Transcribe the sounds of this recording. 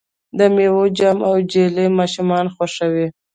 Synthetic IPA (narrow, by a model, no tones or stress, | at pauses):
d̪əmewod͡ʒamawd͡ʒelemɑʃumɑnxwaʃəwi